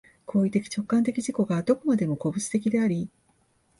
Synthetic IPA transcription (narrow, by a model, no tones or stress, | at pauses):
kʰo̞ːit̪e̞kʲi̥t͡ɕo̞kːãnt̪e̞kʲiʑiko̞ɡad̪o̞ko̞mad̪e̞mo̞ko̞bɯ̟t͡sɨ̥t̪e̞kʲid̪e̞aɾʲi